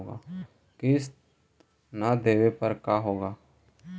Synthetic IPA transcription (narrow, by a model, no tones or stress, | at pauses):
oɡa̰ː | kɪs | nad̪eːʋepəɾkaːɦoːɡaː